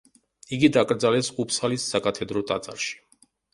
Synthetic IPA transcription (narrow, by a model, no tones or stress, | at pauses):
iɡid̪ɑkəɾd͡zɑlɛsupsɑlisːɑkɑt̪ʰɛd̪ɾɔt̪ʼɑt͡sʼɑ̰ɾʃi̥